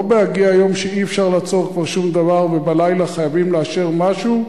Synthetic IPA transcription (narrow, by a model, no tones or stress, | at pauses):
beaɡiaajo̞mʃeiefʃaʁlaːt͡so̞ʁkvaʁʃumd̪avaʁvebalajlaχajavimleaʃe̞ʁmaʃu